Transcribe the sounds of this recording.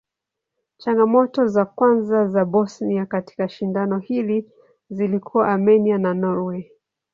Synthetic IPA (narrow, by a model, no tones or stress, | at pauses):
t͡ʃaŋɡamɔtɔzakwanzazabɔsniakati̥kaʃindanɔhili | zilikʰuwaʔamɛniananɔɾwɛ